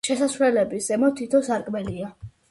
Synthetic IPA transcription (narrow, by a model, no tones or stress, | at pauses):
ʃɛsasvlɛlɛbisɛmɔt̪ʰit̪ʰɔsaɾkʼmɛlia